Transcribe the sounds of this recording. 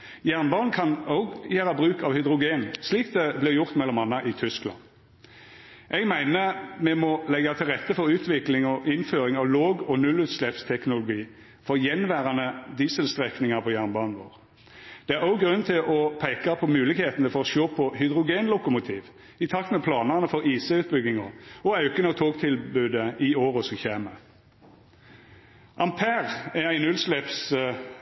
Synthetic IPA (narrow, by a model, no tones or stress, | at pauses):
jæʁnbɑːʁnkʰɑnoʊɡjæːʁɑbʁʉːkɑʋhʏd̪ʁʊɡeːnsliːk̚d̪ɛblɪʁjʊʁt̪mɛlːɔmɑnːɑʔɪt̪ʰʏsklɑ̰n | ʔɛɡmæɪnəmɛmɔlɛɡːɑt̪ʰɪlʁɛt̪ːəfɔɾʉːt̪ʰʋɪklɪŋɔʔɪnføːɾɪŋɑʋloːɡɔnʉlʉːt̪slɛpst̪ʰɛknʊlʊɡiː | fɔʁjɛnʋæːʁɑnəd̪iːsəlst̪ʁɛknɪŋɑpʰɔjæʁnbɑːnʋo̰ːʁ | d̪̥ɛæʁɑʊɡʁʉnːt̪ʰɪlʔɔpʰeɪkɑpʰɔmʉːlɪkheːt̪ənəfɔʁɔʃoːpʰɔhʏd̪ʁʊɡeːnlʊkʊmʊt̪ʰiːʋ | ɪt̪ʰɑk̚t̪mɛpʰlɑːnəʁnəfɔʁiːsəʉːt̪̚bʏɡɪŋɔɔɑʉkənɑt̪ʰoːkt̪ʰɪlbʉːd̪əɪoːʁɔsɔmçeːmə | ʔɑmpʰæːʁææɪnʉlslɛps